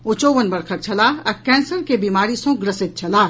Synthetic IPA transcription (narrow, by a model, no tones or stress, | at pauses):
ʊt͡ʃoːʋənbɐɾkʰək̚t͡ʃʰɐlaːɐkɛ̃ːnsəɾkebiːmaːɾisõɡɾɐsɪt̪̚t͡ʃʰɐlaː